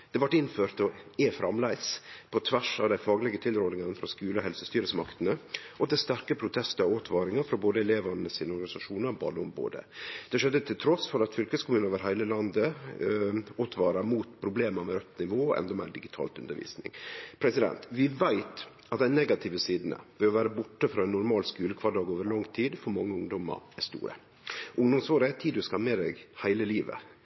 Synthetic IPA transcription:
d̪̥ɛʋɑʈːɪnføːɾt̪ɔɛfɾɑmlæɪspʰɔt̪ʰʋæʂɑʋd̪æɪfɑːɡlɪɡət̪ʰɪlɾɔːd̪nɪŋɑnfɾɑskʉːləɔhɛlsəst̪yːɾəsmɑkt̪ənəʔɔd̪ɛst̪æɾkəpʰɾʊt̪ʰɛst̪əɾɔoːt̪ʰʋɑːɾɪŋɑɾfɾɑboːd̪əɛleːʋɑnəsiːnəɔɾɡɑnɪsɑʂuːnɑɾbɑ̰ːd̪əʊmbo̰ːd̪ə̰d̪̥ɛʂɛd̪ːət̪ʰɪlt̪ʰɾɔsfɔɾɑt̪fʏlkəskʰʊmʉːnəʋəɾɦæɪləlɑnd̪ə | ot̪ʰʋɑːɾɑɾmuːt̪pʰɾʊbleːməmɛɾœt̪nɪʋoːɔʔɛ̰nd̪ɔmḛːɖɪɡɪt̪ʰɑ̰ːlt̪ʉ̰nd̪əɾʋḭːsnɪ̰ŋpʰɾɛsɪd̪ɛ̰nt̪ʋɪʋæɪt̪ | ɑt̪̚d̪æɪnɛɡɑt̪ʰɪʋəsiːd̪nə̰ʋɛɔʋæːɾəbʊʈːəfɾɑːɛnːʊɾmɑːlskʉːləkʰʋɑɖɑːɡoːʋəɾlɑŋt̪ʰiːd̪fɔɾmɑŋːəʊŋd̪ɔmɑ̰ɾæʂt̪ṵːɾə̰ | ʔʊŋd̪ɔmsoːɾəæt̪ʰiːd̪ʉskɑmːəd̪ɛ̰ɡhæɪləliːʋə̰

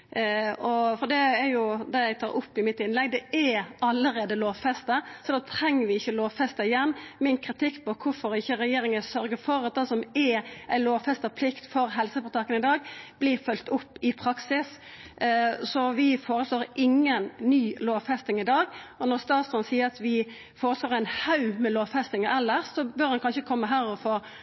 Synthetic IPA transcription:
ɔfɔd̪ɛːɾjʊd̪ɛjæɪt̪ʰɑ̰ːɾʊpːɪmɪt̪ɪnlɛɡ̚d̪ɛɛɑlːəɾeːd̪əloːʋfɛst̪əsɔd̪ɑːt̪ʰɾɛŋːəʋɪɪçːəloːʋfɛst̪əɪjɛnːmɪnkʰɾɪt̪ʰɪkːpʰɔkʰʊfɔɾɪçːəɾɛjeːɾɪŋəsœɾɡəfɔɾɑt̪̚d̪ɛsɔmɛæɪloːʋfɛst̪əpʰlɪkt̪fɔɾɦɛlsəfɔɾt̪ʰɑkːənɪd̪ɑːɡb̥lɪɾfœlt̪ʊpːɪpʰɾɑksɪs | sɔʋɪfoːɾəsloːɾʔɪŋːənːyːloːʋfɛst̪ɪŋɪd̪ɑːɡɔnɔʁst̪ɑːt̪sd̪ɔːnsiːəɾɑt̪ʋɪ | foːɾəsloːʁæɪnhɑʉmɛloːʋfɛst̪ɪŋəʔɛlːəɾsɔbœːɾd̪ɑnkʰɑnʃəkʰɔmːəɦæːɾɔfoːɾ

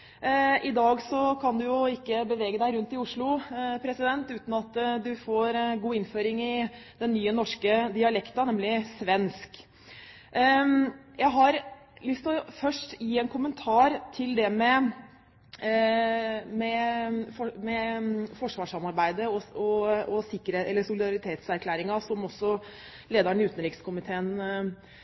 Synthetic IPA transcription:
ʔɪd̪ɑːɡsɔkʰɑnd̪ʉjʊɪkːəbəʋeːɡəd̪æɪɾʉnt̪ɪʊʂɭʊpʰɾɛsɪd̪ɛnt̪ʉːt̪n̩ɑt̪ːd̪ʉfoːɾɡuːɪnføːɾɪŋɪd̪ɛnːyːənɔʂkəd̪ɪɑlɛkt̪ɑnɛmlɪsʋɛnsk | jæɪɦɑɾ | lʏst̪ɔfœʂʈjiːɛnkʰʊmənt̪ʰɑːɾt̪ʰɪld̪ɛmɛ | mɛfɔmɛfɔʂʋɑːʂɑmɑɾbæɪd̪əɔɔɔsɪkːəɾeɛlːəsʊlɪd̪ɑɾɪt̪ʰeːt̪sæɾkʰlæːɾɪŋɑsɔmɔsːɔ | leːd̪ɑɳʉːt̪ənɾɪkskʰʊmɪt̪ʰeːən

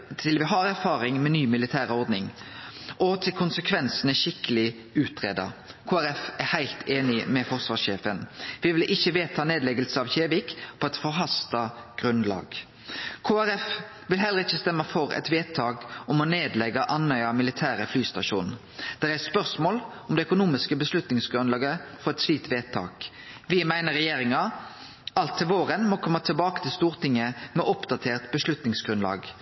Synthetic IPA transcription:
t̪ʰɪlʋɪɦɑːɾæɾfɑːɾɪŋmɛnyːmɪlɪt̪ʰæːɾəɔɾd̪nɪŋʔɔt̪ʰɪlkʰʊnsəkʰʋɛnsənəʃɪkːəlɪ | ʉːt̪ʁeːd̪ɑ̰kʰoːæɾɛfæɾhæɪlt̪ʰeːnɪmɛfɔʁsʋɑːʂeːfənʋɪʋɪlʔɪçːəʋeːt̪ʰɑːneːd̪lɛɡəlsəɑʋçeːʋɪkpʰɔɛt̪fɔʁɦɑst̪ɑɡ̥ʁʉnlɑ̰ːɡ | kʰoːæɾɛf | ʋɪlɦɛlːəʁɪçːəst̪ɛmːəfɔʁɛ̰t̪ʋeːt̪ʰːɑːkɔmɔneːd̪lɛɡɑʔɑnœʏɑmɪlɪt̪ʰæːʁəflyːst̪ɑʃṵːnn̩ | d̪̥ɛʁæspœʁsmoːl | ɔmd̪ɛœkʊnuːmɪskəbəslʉt̪nɪŋsɡʁʉnlɑːɡəfɔʁɛt̪sʋiːt̪ʋeːt̪ʰɑ̰ːk | ʋɪmæɪnəʁɛjeːʁɪŋɑ | ɑlt̪ʰːɪlʋoːʁənmɔkʰɔmːət̪ʰɛlbɑːkət̪ʰɪlst̪uːʁt̪ɪŋːəmɛʔɔpd̪ɑt̪ʰeːʁt̪bəslʉt̪nɪŋsɡ̥ʁʉnlɑ̰ːɡ

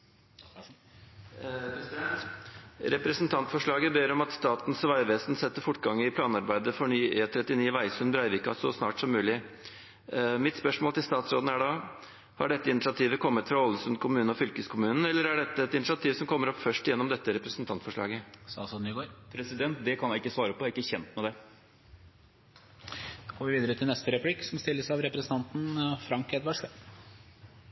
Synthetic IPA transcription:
pɾɛd̪ɛnt̪ɾɛpɾɛsnt̪ʰɑnt̪fɔʂɭɑːɡəbeːɾɔmɑt̪st̪ɑːt̪n̩sʋɑɪʋeːsnsɛt̪ːəɾfʊʈːɡɑŋːəɪpʰlɑːnɑɾbæɪd̪əfɔɳyːʔeːt̪ʰɾɛt̪ːɪniːʋæɪsʉnbɾɑɪʋɪkːɑsɔsnɑ̰ːʈsɔmːʉːlɪ | mɪt̪spœʂmoːlt̪ʰɪlst̪ɑːt̪sɾoːd̪n̩æɖɑː | hɑɖɛt̪ːəɪnɪsɪɑt̪ʰiːʋəkʰɔmːət̪fɾɑɔlːəsʉnkʰʊmʉːnəɔfʏlkəskʰʊmʉːnn̩ɛlːəɾæɖɛt̪ːəɛt̪ɪnɪsɪɑt̪ʰiːʋsɔmkʰɔmːəɾɔpːfœʂʈɪjɛnːɔmd̪ɛt̪ːəɾɛpɾəsnt̪ɑnt̪fɔʂɭɑ̰ːɡəsɑ̰sɔd̪ɪɡoːɾpʰɾɛsɪd̪ɛnt̪̚d̪ɛkʰɑnjæɪkːəsʋɑːɾəpʰɔæɾɪkːəçɛnt̪mɛd̪ɛ | oːɡoːʋɪʋiːd̪əɾət̪ʰɪlnɛst̪əɾɛplɪkːsɔmst̪ɪlːəsɑʋɾɛpɾɛsn̩t̪ʰɑnt̪n̩fɾɑŋkɛd̪ʋɑʂʋɛ

